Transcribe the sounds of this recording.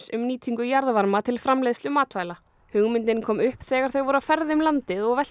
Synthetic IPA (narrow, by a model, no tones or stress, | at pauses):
sʏmniːt̪ʰiŋkʏjaɾðvaɾmat̪ʰɪlfɾamlejst̪lʏmaːt̪vaːjla | hʏɣmɪnt̪ɪnkʰɔːmʏhpθɛːɣaɾ̥θœɣvɔɾafɛɾðɪʏmlant̪ɪðɔɣvɛl